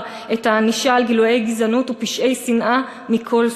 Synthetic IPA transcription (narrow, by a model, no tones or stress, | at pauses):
ethaniʃaːlɡiluje̞jɡizanutupiʃʔe̞jsinʔa | mikʰo̞l